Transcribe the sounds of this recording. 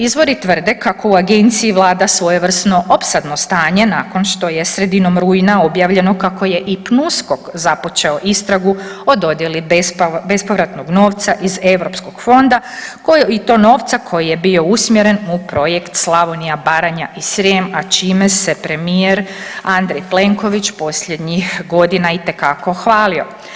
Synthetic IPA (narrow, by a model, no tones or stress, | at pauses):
izʋo̞ɾit̪ʋər̩d̪e̞kako̞uaɡe̞nt̪siiʋlˠaːd̪asʋojeʋr̩sno̞ʔo̞psad̪no̞st̪aːɲe̞naːko̞nʃt̪o̞je̞sɾe̞d̪ino̞mɾuːjinao̞bjaːʋʎe̞no̞kako̞je̞ʔipnusko̞kzapo̞t͡ʃe̞oʔist̪ɾaɡuo̞d̪o̞d̪je̞libe̞spo̞ʋɾat̪no̞ɡno̞ːʋt̪saʔize̞ʋɾo̞psko̞ɡ̥fo̞nd̪akoit̪o̞ːno̞ːʋt̪sakʰo̞jije̞bio̞usmjeɾe̞nupɾo̞jekt̪slˠaʋonijabaːɾaɲaʔisɾiemat͡ʃiːmesepɾe̞mieɾand̪ɾejple̞ŋko̞ʋit͡ʃpo̞sʎe̞d̪ɲixɡo̞d̪inait̪ekako̞xʋaːlio̞̰